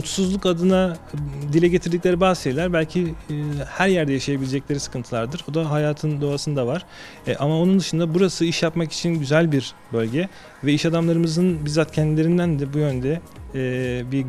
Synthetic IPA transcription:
ut̪suzlˠukad̪ɯnad̪ilʲɛɟe̞t̪ʰiɾd̪ic̬lʲe̞ɾibaːzʃelʲæɾbælʲcʰihæɾjæɾd̪ɛjaʃajabilʲed͡ʒɛc̚lʲeɾisɯ̥kʰɯnt̪ʰɯlˠaɾd̪ɯɾo̞d̪aɦajaːt̪ʰɯnd̪o̞asɯnd̪avaɾ̥ | ʔamao̞nund̪ɯʃɯnd̪abuɾasɯiʃjapmaki̥t͡ʃʰinɟyzælʲbiɾ | bø̞lʲɟɛ | vɛiʃad̪amlˠaɾɯmɯzɯnbizat̪cʰɛnd̪ilʲe̞ɾind̪ænd̪ɛbujø̞nd̪ɛː | bi

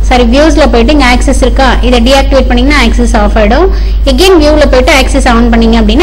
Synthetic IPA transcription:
sɐɾiʋjuːslɐpoːjɪʈːɯɪŋɡɐaːksɛsɪɾɯkːãːʔɪðɐɖiaːk̚ʈɪʋeːʈ̚pɐɳːɪːŋɡɐnãːaːksɛsaːfɐɪɽʊ̃ | ɛɡeːnʋjuːlɐpoːjɪʈːɯaːksɛsɐːnpɐɳːiŋɡɐɐpːɐɽɪnːa

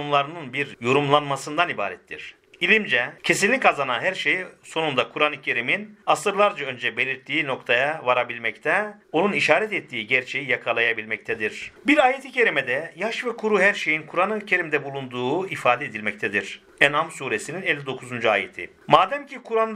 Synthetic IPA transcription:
unlˠaɾɯnɯnbiɾjo̞ɾumlˠanmasɯnd̪aniba̰ːɾɛt̪ʰːḭɾ̥ | ilʲimd͡ʒɛcʰe̞sinlʲːicazanaɦæɾʃejso̞nund̪akʰuɾanɯcʰe̞ɾiminasɯɾlˠaɾd͡ʒaø̞nd͡ʒɛbe̞lʲiɾt̪ʰːiːno̞kt̪ʰajavaɾabilʲmɛct̪ʰɛo̞nuniʃaːɾɛt̪ɛt̪ʰːiːiɟæɾt͡ʃʰe̞jijakʰalˠajabilʲmɛc̚t̪ʰɛd̪iɾ̥biɾaːjet̪ʰicʰe̞ɾʲimɛd̪ɛjaʃvɛkʰuɾuɦæɾʃe̞jinkʰuɾanɯcʰe̞ɾimd̪ɛbulˠund̪uːifaːd̪ɛed̪ilʲmɛc̚t̪ɛd̪iɾ̥ | ɛnamsuːɾesininelʲːid̪o̞kʰuzund͡ʒua̰ːjet̪ʰḭ | maːd̪ɛmcʰikʰuɾan

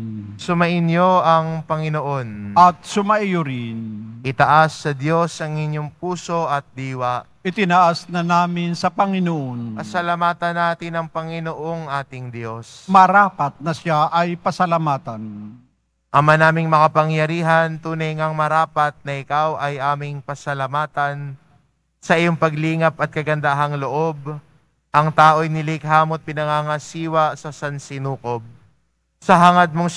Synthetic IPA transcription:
sʊmɐʔɪnɲoʔɐŋpɐŋɪnoʔo̞nʔɐt̪̚sʊmɐʔijʊɾɪnʔɪt̪ɐʔasːɐd̪jo̞sɐŋɪɲjoŋp̚uːso̞ʔɐt̪̚d̪iːwɐ | ʔɪt̪ɪnɐʔasnɐnaːmɪnsɐpɐŋɪnoʔonkɐsɐlamaːt̪ɐnːaːt̪ɪnɐŋpɐŋɪnoʔo̞ŋʔaːt̪ɪŋd̪jo̞smɐɾaːpɐt̪̚nɐsaʔɐjpɐsɐlamaːt̪ɐn | ʔɐmanaːmɪŋmɐkɐpɐŋjɐɾiːɦɐnt̪uːnɐjŋɐŋmɐɾaːpɐt̪̚nɐʔɪkawʔɐjʔaːmɪŋpɐsɐlɐmaːt̪ɐn | sɐʔɪjoŋpɐɡliːŋɐpɐt̪̚kɐɡɐnd̪aɦɐŋloʔo̞b | ʔɐŋt̪aːʔo̞jnɪlɪkɦaːmot̪̚pɪnɐŋaŋɐsiːwɐsɐsɐnsɪnuːko̞b̚ | sɐɦɐŋɐd̪̚moŋ

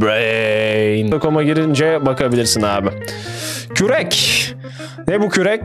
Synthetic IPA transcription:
ɛinakʰomaɟiɾind͡ʒɛbakʰabilʲiɾsinaːbɪ | cʰyɾɛc | nɛbucʰyɾɛc

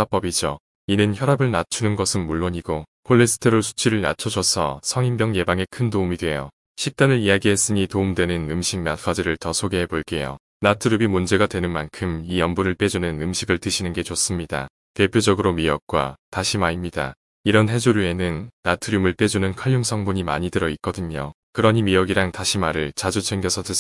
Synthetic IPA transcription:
ap͈ʌbid͡ʑo | inɯnçjʌɾabɯɭnat͡ɕʰunɯnɡʌsʰɯnmuɭːoɲiɡokʰoɭːesʰɯ̥tʰɯɾosʰu̥t͡ɕʰiɾɯɭna̰t͡ɕʰʌd͡ʑʌsʰʌ̰sʰʌŋimbjʌŋje̞baŋe̞kʰɯndoumidwe̞jo | ɕʰik̚t͈anɯɾijaɡiɦe̞s͈ɯɲitoumdwe̞nɯnɯmɕʰiŋ̚nak͈ʰʌd͡ʑiɾɯɭtʌsʰoɡeɦeboɭk͈e̞jo̰ | natʰɯɾubimund͡ʑe̞ɡadwe̞nɯnmankʰɯmijʌmbuɾɯɭp͈e̞d͡ʑunɯnɯmɕʰiɡɯɭtɯɕʰinɯnɡe̞t͡ɕos͈ɯmɲida̰ | te̞pʰjod͡ʑʌɡɯɾomiʌk̚k͈wa̰taɕʰimaimɲida̰ | iɾʌnɦe̞d͡ʑuɾue̞nɯnːatʰɯɾumɯɭp͈e̞d͡ʑunɯnkʰaʎːjuŋsʰʌŋbuɲima̰ɲidɯɾʌit̚k͈ʌdɯɲo | kɯɾʌɲimijʌɡiɾaŋtaɕʰimaɾɯɭt͡ɕad͡ʑut͡ɕʰeŋɡjʌsʰʌtɯ

